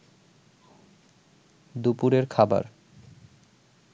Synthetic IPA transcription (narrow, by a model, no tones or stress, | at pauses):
d̪upuɾeɾkʰaba̰ɾ